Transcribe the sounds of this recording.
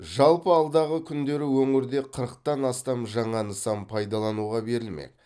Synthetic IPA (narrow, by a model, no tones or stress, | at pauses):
ʒɑlˠpəɑlˠd̪ɑʁəkʲʰʏnd̪e̞ɾɪwɵŋɪɾd̪e̞qʰəɾəq̚t̪ɑnɑst̪ɑmʒɑɴɑnəsɑmpʰɑjd̪ɑlˠɑnuʁɑbe̞ɾɪlmḛk̪̚